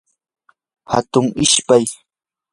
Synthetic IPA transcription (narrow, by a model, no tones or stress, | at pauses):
hat̪ʊŋɪʃpaj